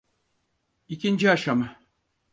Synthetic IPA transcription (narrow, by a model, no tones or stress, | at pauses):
icʲind͡ʒiaʃama